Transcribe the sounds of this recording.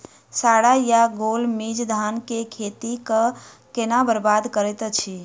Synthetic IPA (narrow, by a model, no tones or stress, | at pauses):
saɽajaɡolmid͡ʒd̪ʱankekʰet̪ikə | kenabəɾbad̪kəɾɛt̪t͡ʃʰi